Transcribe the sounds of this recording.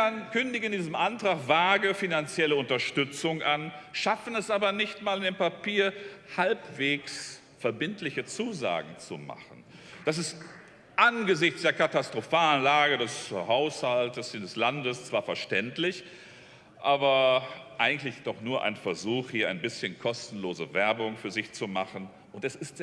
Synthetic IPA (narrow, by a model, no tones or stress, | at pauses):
ankʏndɪɡəɪndiːzəmʔantʁ̥aːχv̥aːɡəfinant͡sjɛləʊntɐʃtʏt͡sʊŋʔanʃafn̩ɛsʔaːbɐnɪçtmaːlɪndeːmpapiːɐhalpv̥eːks | fɛɐbɪntlɪçət͡suːza̰ːɡŋ̩t͡sṵma̰χn̩ | d̥as̬ɪst | ʔanɡəzɪçt͡sd̥eːɐkatastʁ̥ofaːlənlaːɡədɛshaʊshaltəsidɛslandəst͡sv̥aːɐfɛɐʃtɛntlɪç | ʔaːbɐʔaɪɡŋ̩tlɪçd̥ɔχnuːɐʔa̰ɪnfɛɐzuːxhiːɐʔa̰ɪnbɪsçənkʰɔstn̩loːzəvɛɐbʊŋfyːɐzɪçt͡sumaχən̩ | ʔʊntɛsɪstː